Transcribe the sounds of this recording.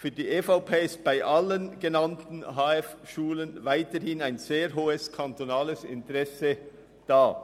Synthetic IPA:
fyːɐdiːʔeːfaʊpʰeːɪst̚b̥aɪʔalənɡ̥enantn̩ɦaːɛfʃuːlənvaɪtəhɪnaɪnz̥eːɾɦoːəskʰantonaːləsɪ̰ntəʁɛsə | d̥aː

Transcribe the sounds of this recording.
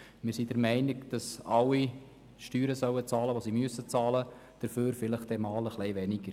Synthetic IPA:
mɪɾsidəɾmɛɪnɪɡd̥ɑsɑwi | ʃtyːɾəsœwət͡sɑːləʋosimyəsət͡sɑːlə | d̥əɾføːɾfɪləχtdɛmɑːləχlɛɪʋɛnɪɡ̥əɾ

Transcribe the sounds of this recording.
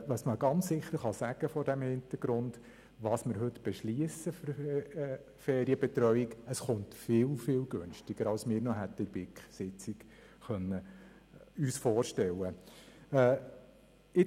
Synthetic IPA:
ʋɑsməɡ̥ɑnt͡sːɪχəɾχɑsæɡ̥əfɔɾdæmhɪnt̪əɾɡ̥ɾʊnd | ʋɑːsməɾɦɵt̪b̥ɛʃliəsəfɾ | fɛːɾiəbɛt̪ɾœɥiɡəsχʊntfɪːlfɪːlɡɵnʃtɪɡ̥əɾɑlsmɪːɾnɔɦæt̪ːəɪbɪkχsɪt͡sɪɡ | χœnːə | yːsfɔːɾʃtɛlːəɛː | ɪ

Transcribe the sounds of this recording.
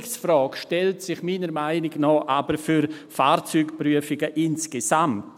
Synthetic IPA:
ksfrɔːkʃtɛltsɪχmiːnəɾmaɪnɪɡnɔːʔabəɾfyɾfaːrt͡syːkpryəfɪɡəʔɪnsɡ̥esamt

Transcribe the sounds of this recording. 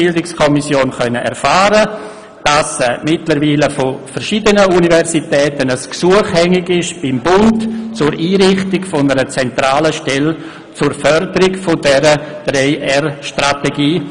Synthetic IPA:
ɪldɪkskʰɔmisjoːnχœnəʔɛ̰ɾfaːɾə | d̥asmɪtləɾviːləfʊfəɾʃidənəunivɛɾsitɛːtənəsksuəχhɛŋɪɡɪʃb̥ɪmbʊntt͡sʊɾiːɾɪχtɪɡfʊnəɾət͡sɛntɾaːləʃtɛl | t͡sʊrfœɾdəɾɪɡfʊdɛɾəd̥ɾeɪʔɛɾʃtɾateɡiː

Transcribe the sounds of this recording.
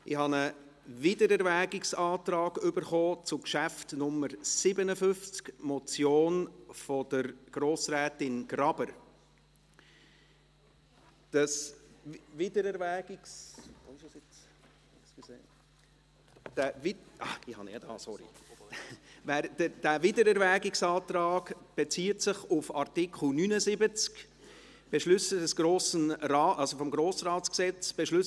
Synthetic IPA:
ʔɪhɑnə | vɪdəɾɛɾʋæːɡɪksɑːt̪ɾɑːɡ̥ʏbəɾχoːt͡sʊkʃæftnʊmːəɾsɪbənəfʏft͡skmɔt͡sjoːnfɔd̪əɾɡ̥ɾoːsɾɛːtɪnɡ̥ɾɑb̥əɾ | d̥ɑs | vɪdəɾɛɾvæːɡ̥ɪksɪʃsjɪt͡s | skseː | d̥æviɑɪhɑ̰niɛd̥̪ɑ̰ːsɔɾḭ | væːɾd̥əd̥ævɪdəɾæɾvæːɡɪksɑːtɾɑːɡb̥et͡siːətsɪχʊfɑɾtɪkʰχl̩nynəzɪbət͡sk | b̥ɛʃlʏsədɛsɡ̥ɾoːsənɾɑːɑlzofɔmɡɾoːsɾɑːtt͡sksɛt͡sb̥ɛʃlʏs

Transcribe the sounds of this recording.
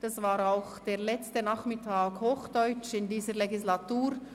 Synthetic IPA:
d̥ɑsvaːɾaʊxd̥eːʁlɛt͡stənaχmɪtʰaːkhoːxd̥ɔʏt͡ʃɪndiːzəɾleɡislatuːɾ

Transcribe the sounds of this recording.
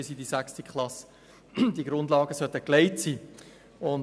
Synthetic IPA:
ɪsidisækstikʰlɑs | d̪iɡɾʊndlɑːɡəsœt̪əkleɪtsiː | ʊn

